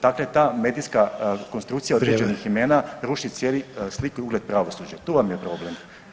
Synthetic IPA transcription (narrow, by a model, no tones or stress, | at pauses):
d̪aklet̪aːme̞d̪ijskako̞nst̪ɾukt̪sijaod̪ɾed͡ʑenixime̞ːnaɾuʃit̪sʲjeːlislikuiuɡle̞d̪̚pɾaʋo̞sud͡ʑat̪uʋamjepɾo̞ble̞m